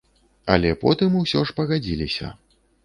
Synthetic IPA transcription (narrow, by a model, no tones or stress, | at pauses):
ɐ̰lʲɛpɔt̪ɨmusʲɔʂpɐɣad͡zʲilʲisʲɐ̰